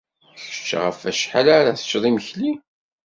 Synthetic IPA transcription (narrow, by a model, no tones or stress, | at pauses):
çə̥t͡ʃːʁəfæʃħalaɾaθə̥t͡ʃːðˤiməçli